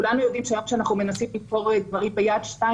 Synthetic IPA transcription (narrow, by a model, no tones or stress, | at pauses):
kulanujo̞d̪imʃeajomʃeanaχnume̞nasimliko̞ʁet̪vaʁibejad̪ʃta